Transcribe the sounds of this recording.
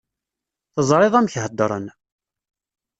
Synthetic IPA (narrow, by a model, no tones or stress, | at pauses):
θəzˤɾˤɪðˤæmçhəd̪ːɾˤən